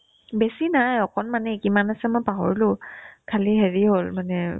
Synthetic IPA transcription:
besinajɔkɔnmanɛkimanasɛmɔjpaɦɔ̰ɹilʊ̃kʰaliɦeɹiɦolmanɛ

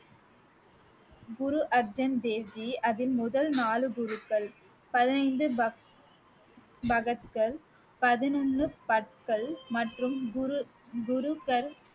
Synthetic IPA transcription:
ɡʊɾuʔɐɾd͡ʒɐnd̪eːʋd͡ʒiɐðɪlmʊðɐlnaːlɯɡʊɾɯkːɐɭ | pɐðɪnɐɪnd̪ɯb | bɐɣɐt̪kɐɭ | pɐðɪnɐɳːɯpɐʈ̚kɐɭmɐʈrɯm | ɡʊɾʊkɐɾ

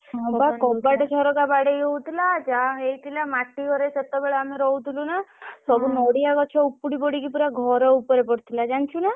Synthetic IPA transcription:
ɔpakɔbaʈɔt͡ʃʰɔɾɔkabaɽeiɦɔɦut̪ʰilad͡ʒaɦejt̪ʰilamaʈːiɡʱɔɾeset̪ɔbeɭɔameɾɔɦut̪ʰilunasɔbunɔɽiakɔt͡ʃʰɔupuɽipɔɽikipuɾaɡʱɔɾɔupɔɾepɔɽt̪ʰilad͡ʒant͡ʃʰuna

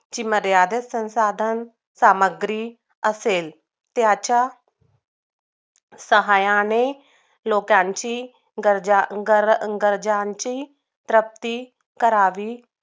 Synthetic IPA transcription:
t͡ɕiːməɾjaːd̪əsə̃nsaːd̪ʱən | saːməɡɾi | əseːl | t̪jat͡ɕa | səɦaːjãne | loːkãɲt͡ɕi | ɡəɾd͡ʑaɡəɡəɾd͡ʑãɲt͡ɕiː | t̪ɾəp̚t̪iː | kəɾaːʋiː

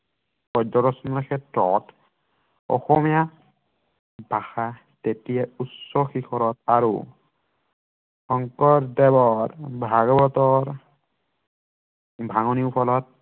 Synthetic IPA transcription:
pɔdɔɾɔsɔnɔɹkʰɛtɹɔt | ɔ̰xɔmija | bʱaxa | tetijɛutsɔxixʰɔɾɔtaɹṵ | ɔŋkɔɹdɛbɔɹbʱaɡɔbɔtɔɹ | bʱaŋɔniupʰɔlɔt̚

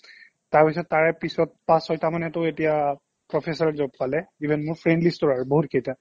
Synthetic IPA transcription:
taɹpisɔtːaɹɛpisɔt̚pasɔjtʰamanɛtʊetija | pɹɔpʰesɔɹɛzob̚palɛibʱɛnmʊɹpʰɹendlistɔɹaɹuboɦutkʰejta

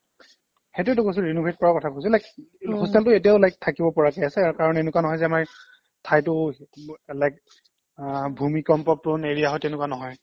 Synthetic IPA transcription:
hetuɛtʊkos̬iɹinubʱet̚kɔɹakɔtʰakojsulajkhustaltʊetijaʊlajk̚tʰakibɔpɔɹakejasɛakaɹɔnenʊkwanɔɦɔjzɛamaɹ | tʰajtʊ | lajk̚ | bʱumikɔmpɔp̚ʊneɹijaɦɔjtɛnʊkwanɔɦɔj

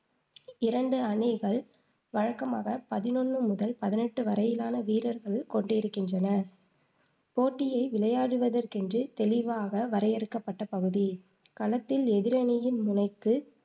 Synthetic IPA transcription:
ɪɾɐɳɖɯɐɳɪɣɐɭ | ʋɐɻɐkːɐmaːɣɐpɐðɪnɔnːɯmʊðɐlpɐðɪnɛʈːɯʋɐɾɐjɪlaːnɐʋiːɾɐɾɣɐɭkɔɳɖɪɾɯkːɪndrɐnɐ | poːʈːɪjɐɪʋɪɭɐjaːɽɯʋɐðɐrkɛndrɯt̪ɛlɪʋaːɣɐʋɐɾɐjɛɾɯkːɐpːɐʈːɐpɐɣɯði | kɐlɐt̪ːɪlɛðɪɾɐnɪjɪnmʊnɐɪkːɯ

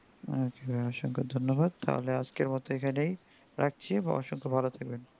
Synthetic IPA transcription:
okebaaʃoŋkʰod̪ʱonːoβad̪̚t̪a̰ɦo̰lead͡ʑkeɾmɔt̪oekʰanej | ɾʔak̚t͡ɕʰiba̰ɔ̰ʃoŋkʰobʱalot̪ʰaɡ̚ben

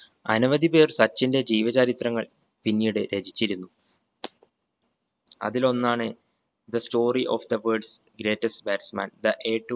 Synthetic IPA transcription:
ɐ̰nuʋɐðipe̞ːrsɐt͡ɕːinde̞d͡ʑiːʋɐd͡ʑɐɾit̪rɐŋːɐɭ | pinːijɽɨɾe̞ːd͡ʑit͡ɕːiɾunːu | ɐ̰ðilo̞nːaːɳɨ | d̪ɐsto̞ːriʔo̰ːfd̪ɐʋəːɖsɡɾe̞ːʈːɐstbeːʈsma̰ːnd̪ɐʔeːʈː

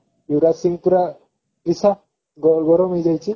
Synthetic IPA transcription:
iwɾasiŋpuɾa | ɾisa | ɡɔɡɔɾɔmejd͡ʒajt͡ʃʰi

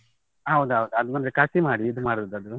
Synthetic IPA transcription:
ɐʋd̪uɐʋd̪uɐd̪umɐnd̪ɾekasimaːɽiːd̪umaːɽud̪uɐd̪u

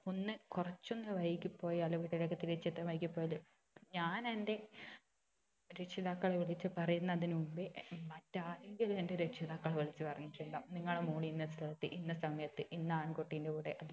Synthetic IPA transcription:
onːɨkurɐt͡ɕːo̞nːɨʋɐjikʲːupːo̞ːjiɐlɐʋiʈːilekːet̪iɾit͡ɕːɐt̪ːɐʋɐjikʲːupːoːjɐl | ɲaːnende̞ | ɾe̞ʈʂiðaːkːɐɭeʋiɭit͡ɕːɨpɐrɐjunːɐðinumbɨmɐtːaːleŋɡilende̞ɾeʈʂiðaːkːɐɭeʋiɭit͡ɕːɨpɐrɐɲːiʈːeɳɖaniŋːɐɭemoːɳiinːɐsɾɐlɐt̪ːɨʔinːɐsɐmɐjɐt̪ːɨʔinːaːnkoʈːindeuːɽeʔɐð

